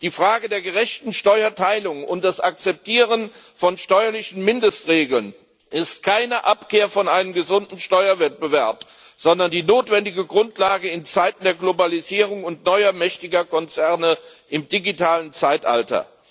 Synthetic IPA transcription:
d̥iːfʁ̥aːɡədeːɐɡəʁɛçtn̩ʃtɔʏɐtʰaɪlʊŋʊntd̥asʔak̚t͡sɛp̚tʰiːʁən | fɔnʃtɔʏɐlɪçn̩mɪndəstʁeːɡl̩n | ʔɪstkʰaɪnəʔapkeːɐfɔnʔaɪnəmɡəzʊndn̩ʃtɔʏɐvɛt̚b̥əvɛɐp | z̥ɔndɐndiːnoːtv̥ɛndɪɡəɡʁʊntʰlaːɡəɪnt͡saɪtn̩deːɐɡlobaliziːʁ̞ʊŋʊntnɔʏɐmɛçtɪɡɐkʰɔnt͡sɛɐnəʔɪmdiɡitʰaːlənt͡saɪtʔa̰ltɐ̰

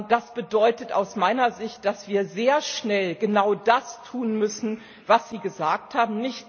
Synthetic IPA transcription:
d̥asb̥ədɔʏtəta̰ʊsmaɪnɐzɪçt̚d̥asv̥iːɐzeːɐʃnɛlɡənaʊdastʰuːnmʏsn̩ | vasz̥iːɡəzaːk̚thaːbm̩nɪçt

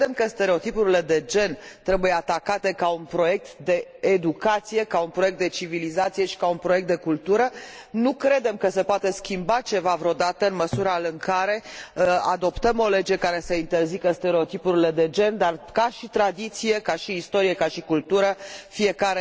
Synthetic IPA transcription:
d̪emkəst̪eɾe̞o̞t̪ipuɾile̞d̪e̞d͡ʒe̞nt̪ɾe̞bujeat̪akat̪e̞kaunpɾo̞je̞k̚t̪d̪e̞ːd̪ukat̪sije̞kaunpɾo̞jek̚t̪d̪e̞t͡ʃivilizat̪sije̞ʃi̥kaunpɾoje̞k̚t̪d̪ekult̪uɾə | nukɾe̞d̪e̞mkəse̞poat̪e̞skʲimbat͡ʃe̞vavɾo̞d̪at̪əɨnməsuɾalɨŋkaɾe̞ad̪o̞pt̪əmo̞le̞d͡ʒe̞kaɾe̞səint̪e̞rzikəst̪e̞ɾe̞o̞t̪ipuɾile̞d̪e̞d͡ʒe̞nd̪arkaʃit̪ɾad̪it̪sije̞kaʃiːst̪o̞ɾijekaʃikult̪uɾəfie̞kaɾe

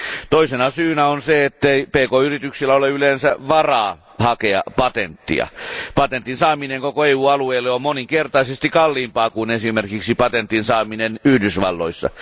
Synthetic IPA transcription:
t̪oisenɑsyːnæonseet̪ːeipeːkoːyrit̪yksilːæoleylensæʋɑrɑː | hɑkeɑ̰pɑt̪ent̪ːḭɑ̰pɑt̪ent̪ːinsɑːmineŋkokoeːuːɑlueːlːeommoniŋkert̪ɑisest̪ikɑlːiːmpɑːkunesimerkiksipɑt̪ent̪ːinsɑːminenyhdysʋɑ̰lːo̰isːɑ̰

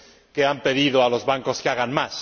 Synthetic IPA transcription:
keampe̞ðiðoalo̞zβaŋko̞skeaɣ̞anmas

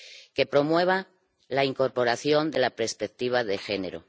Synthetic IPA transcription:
ke̞pɾo̞mwe̞β̞a | laiŋko̞ɾpo̞ɾaθjo̞nd̪e̞lapɾeɾspek̚t̪iβ̞aðe̞xe̞ne̞ɾo̞̰

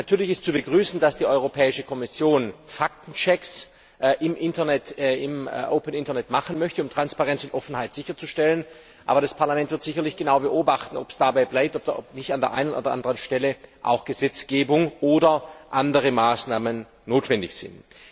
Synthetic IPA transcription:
natʰyːɐlɪçɪstt͡subəɡʁyːsn̩dasd̥iːʔɔʏʁopʰɛːɪʃəkʰɔmɪsjoːnfak̚tn̩t͡ʃɛks | ʔʔɪmʔɪntɐnɛtɪmʔo̰ʊpənɪntɐnɛtmaχn̩mœçtəʊmtʁ̥anspaʁɛnt͡sʊntʔɔfn̩haɪtz̥ɪçɐt͡suʃtɛlən | ʔa̰ːbɐɾaspʰaɐlamɛntv̥ɪɐtz̥ɪçɐlɪçɡ̥ənaʊbəʔoːbaχtn̩ɔpsd̥abaɪblaɪp̚tɔpd̥ɔpnɪçtandeːɐʔa̰ɪnənʔo̰dɐʔa̰ndəʁənʃtɛləʔa̰ʊxɡ̥əzɛt͡sɡ̥eːbʊŋʔoːdɐʔandəʁəmaːsnaːmənː | oːtv̥ɛndɪçz̥ɪ̰nt

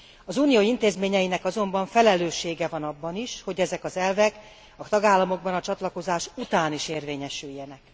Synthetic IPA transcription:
ɒzuːnijoːint̪eːzmeːɲɛjinɛkɒzo̞mbɒɱfɛlɛløːʃːeːɡɛvɒnɒbːɒniʃho̞ɟɛzɛkɒzɛlvɛk | ɒt̪ɒɡaːlːɒmo̞ɡ̚bɒnɒt͡ʃɒt̪lɒko̞zaːʃut̪aːniʃeːrveːɲɛʃyjːɛnɛk

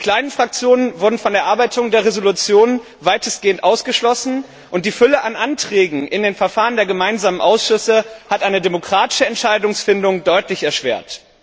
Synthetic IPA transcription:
kʰl̥aɪnənfʁ̥ak̚t͡sjoːnənvʊɐdn̩fɔndeːɐʔaɐbaɪtʰʊŋdeːɐʁezolut͡sjoːn | vaɪtəsɡ̥eːəntʔaʊsɡ̥əʃlɔsn̩ | ʔʊntd̥iːfʏləʔanʔantʁ̥ɛːɡŋ̩ʔɪndeːnfɛɐfaːʁəndeːɐɡəmaɪnzaːmənʔaʊsʃʏsəhatʔaɪnədemokʁ̥aːtɪ̥ʃəɛntʃaɪdʊŋsfɪndʊŋdɔʏtlɪçɛɐʃv̥ḛːɐt

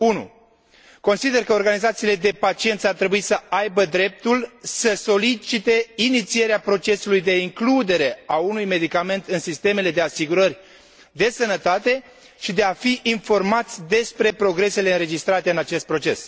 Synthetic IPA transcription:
unṵ | ko̞nsid̪e̞rkəorɡanizat̪siːle̞d̪e̞pat͡ʃie̞nt̪sʲart̪ɾe̞buisəajbəd̪ɾe̞p̚t̪ulsəso̞lit͡ʃit̪e̞init̪sie̞ɾeapɾo̞t͡ʃe̞sulujd̪e̞iŋklud̪e̞ɾe̞aunujme̞d̪ikame̞nt̪ɨnsist̪e̞me̞le̞d̪e̞asiɡuɾəɾʲ | d̪e̞sənət̪at̪e̞ | ʃid̪e̞afiʔinfo̞rmat̪sʲd̪e̞spɾe̞pɾo̞ɡɾe̞se̞leɨnɾe̞d͡ʒist̪ɾat̪e̞ɨnat͡ʃe̞st̪̚pɾo̞t͡ʃe̞̰s

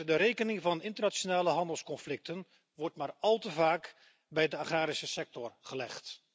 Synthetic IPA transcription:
dəɾejkənɪŋvɑnɪntəɹnat͡ʃonaːləɦɑndəlˠskɔnflɪk̚tən | ʋɔɹtmaːɹɑlˠtəvaːk | bɛjdəaχaːɾisəsɛk̚tɔrχəlɛχt

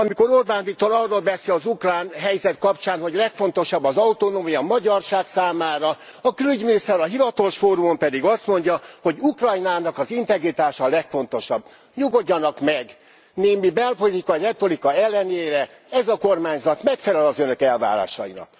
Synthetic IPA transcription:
ɒmiko̞ɾorbaːnvit̪oːlɒrːoːlbɛsiɒzukraːnɦɛjzɛt̪kɒpt͡ʃaːnho̞ɟlɛkfo̞nt̪o̞ʃɒbːɒzɒut̪onoːmijɒmɒɟɒrʃaːksaːmaːɾɒ | ɒkølyɟminist̪ɛɾɒɦivɒt̪oʃfoːɾumompɛd̪iɡɒst̪mo̞ɲɟɒho̞ɟukrɒjnaːnɒkɒzint̪ɛɡrit̪aːʃɒlɛkfo̞n̪t̪oʃɒb | ɲuɡo̞ɟːɒnɒkmɛɡ | neːmibɛlpo̞lit̪ikɒirɛt̪o̞likɒɛlːɛneːɾɛ | ɛzɒkormaːɲzɒt̪mɛkfɛlɛlɒzønø̞kɛlva̰ːɾa̰ːʃɒ̰jḭnɒ̰k

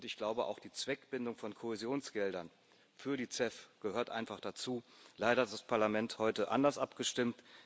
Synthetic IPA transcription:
ʊntɪçɡ̥laʊbəʔa̰ʊxd̥iːt͡sv̥ɛkb̥ɪndʊŋfɔnkʰohɛzjoːnsɡ̥ɛldɐn | fyːɐdiːt͡sɛfɡ̥əhøːɐtʔa̰ɪnfaχd̥at͡suːlaɪɾɐhatd̥aspʰaɐlamɛnthɔʏtəʔa̰ndɐsʔapɡ̥əʃtɪmt

